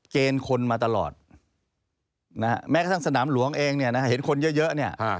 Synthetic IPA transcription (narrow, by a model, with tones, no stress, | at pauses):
keː˧nkʰo˧nmaː˧t̪a˧lɔ̰ː˨˩t̪̚ | na˦˥kʰa̰˦˥mɛː˦˥kaː˧˥˩t̪ʰa˥˩ŋsa˧naː˩˦mlu˩˦əŋʔeː˧ŋni˥˩ɐna˦˥a˥˩ɦe˩˦nkʰo˧njɤ˦˥ʔjɤ˦˥ni˥˩ɐʔ